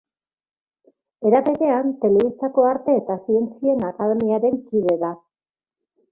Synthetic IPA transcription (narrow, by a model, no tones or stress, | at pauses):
e̞ɾaβe̞ɾe̞ant̪e̞le̞βist̪ako̞aɾt̪e̞ːt̪asie̞nt͡sie̞nakað̞e̞miaɾe̞ŋkiðe̞ða